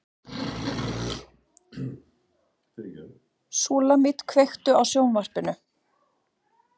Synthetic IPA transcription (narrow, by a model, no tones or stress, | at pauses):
suːlamɪt̪kʰvejxt̪ʏawsjownvar̥pɪnʏ